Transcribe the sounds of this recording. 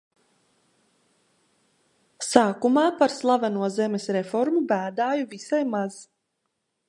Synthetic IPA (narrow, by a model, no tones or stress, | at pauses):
saːkumaːpaɾslˠavanuɔzɛmesɾɛfɔɾmubæːd̪aːjuvisajmaz̥